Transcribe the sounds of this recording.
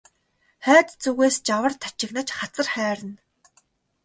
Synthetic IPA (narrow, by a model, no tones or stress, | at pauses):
χæːt̪t͡suɣeːst͡ɕawə̆rt̪ʰḁt͡ɕɪ̆knə̆t͡ɕχat͡sə̆rχæːɾə̆n